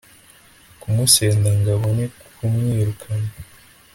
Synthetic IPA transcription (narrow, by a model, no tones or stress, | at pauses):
kumuse̞ːndaŋɡaβonikkumŋiːɾukʰana